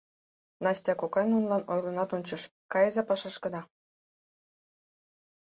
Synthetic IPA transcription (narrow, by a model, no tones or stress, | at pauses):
nɑsʲtʲɑkokɑjnunlˠɑnojlɤ̆nɑt̪onʲt͡ɕə̆ʃkɑjezɑpɑʃɑʃkə̆nɑ